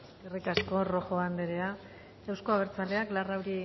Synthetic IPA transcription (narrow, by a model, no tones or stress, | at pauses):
irikasko̞ro̞xo̞and̪eɾe̞a | ewsko̞aβ̞e̞ɾt͡sale̞aklarawɾi